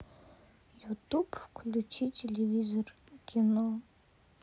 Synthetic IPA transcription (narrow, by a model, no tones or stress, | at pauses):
jut̪upfklʲut͡ʃitʲelʲevʲizɔr | kʲinɔ